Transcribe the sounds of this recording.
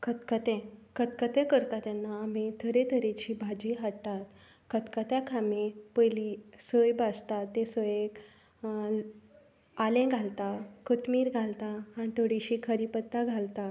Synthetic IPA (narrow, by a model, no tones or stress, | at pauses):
kət̪kət̪ɛ̃kət̪kət̪ɛ̃kəɾt̪at̪janːaːmit̪ʰəɾet̪ʰəɾet͡ɕiːbʱad͡ʑiɦaɽt̪at̪ | kət̪kət̪jakʰamepəjlisəjbast̪at̪ːesəjek | alẽɡʱalt̪akət̪miːɾɡʱalt̪aːñit̪ʰoɽiɕiːkʰəɾipət̪ːaɡʱalt̪a